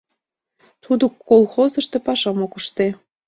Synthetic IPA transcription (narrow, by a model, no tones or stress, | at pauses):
t̪ud̪okːolˠxozə̆ʃt̪epɑʃɑmokəʃt̪e